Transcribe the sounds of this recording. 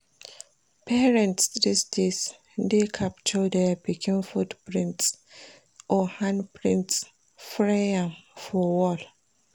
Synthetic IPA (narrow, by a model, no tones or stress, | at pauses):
pʰɛɹɛ̃ntsdisdes | dekʰapt͡ʃɔdɛapikʰĩnfudpɹĩnts | ʔɔhãnpɹĩnts | fɹeãmfɔwɔl